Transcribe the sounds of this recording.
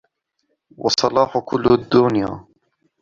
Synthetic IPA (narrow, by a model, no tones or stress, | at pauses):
wʔɑsˤɑlɑːħukʰʊlːud̪ːunja̰ː